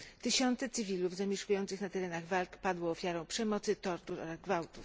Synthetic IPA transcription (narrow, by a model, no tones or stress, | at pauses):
t̪ɘɕɔnt̪sɛt̪sɘvʲiluvzamʲɛʂkujɔnt̪sɘxnat̪ɛɾɛnaɣvalkpad̪wɔːfʲjaɾɔ̃w̃pʂɛmɔt̪sɘt̪ɔɾt̪uɾɔ̰ɾazɡvawt̪uf